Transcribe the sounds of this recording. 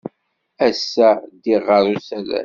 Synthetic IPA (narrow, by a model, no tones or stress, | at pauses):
æsːæd̪iʁəɾˤusælæ̰